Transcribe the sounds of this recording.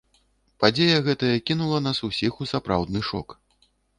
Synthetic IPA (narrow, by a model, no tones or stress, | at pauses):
pad͡zʲejɐɣɛt̪ɐjɐkʲinulˠɐnasusʲixusapɾa̰wd̪nɨʂɔ̰k